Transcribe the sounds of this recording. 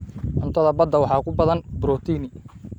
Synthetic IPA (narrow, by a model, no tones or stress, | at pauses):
ʔʊnt̪ʰɐðɐbɐd̪ːɐwɑħɑːkʰʊbɐðɐnbɾɔːt̪ʰiːnɪ